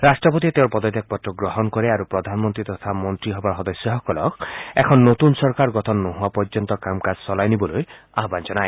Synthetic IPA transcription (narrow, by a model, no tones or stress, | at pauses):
ɾasʈɾɔpot̪iet̪ewɾpɔd̪ɔd̪ʱak̚bɔtːɔɡɾɔɦɔnkɔɾeaɾupɾɔd̪ʱanmɔnt̪ɾit̪ɔt̪ʰamɔnt̪ɾiɦɔbaɾɦɔd̪ɔsjɔɦɔkɔlɔkʰɛkʰɔnːot̪unsɔɾkaɾɡɔt̪ʰɔnːɔɦuapɔɾd͡ʒɔnt̪ɔkamkad͡ʑsɔlajnibɔloj | aɦband͡ʒɔnaj